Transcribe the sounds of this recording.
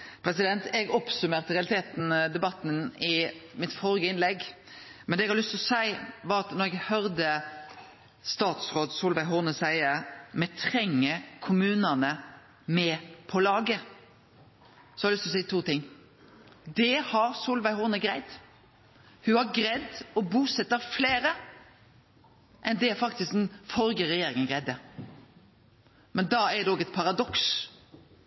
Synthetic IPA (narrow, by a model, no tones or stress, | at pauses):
pʰɾɛsɪd̪ɛnt̪ɛɡɔpsʉmeːʁt̪əɾɛɑlɪt̪ʰeːt̪n̩d̪ɛbɑt̪ːn̩ɪmɪt̪fɔɾɡəɪnlɛɡmɛnd̪ɛɡhɑlʏst̪ɔsæɪʋɑɾɑt̪nɔɾɛɡhœɾd̪ə | st̪ɑːt̪sɾoːd̪suːlʋæɪɦuːnəsæɪəmɛt̪ʰɾɛŋːəkʰʊmʉːnənə | mɛpʰɔlɑːɡə | sɔ̥ɑɾɪlʏst̪ɔsæɪt̪ʰuːt̪ɪŋː | d̪ɛhɑɾsuːlʋæɪhuːnəɡɾæɪd̪ | hʉhɑɾɡɾɛd̪ɔbuːsɛt̪ːəɾfleːɾə | ʔɛnd̪ɛæɾfɑkt̪ɪsk̚d̪nfɔɾɡəɾɛjeːɾɪŋənɡʁɛɪd̪ə | mɛnd̪ɑːæɾd̪ɛɔːɡɛt̪̚pʰɑɾɑd̪ɔks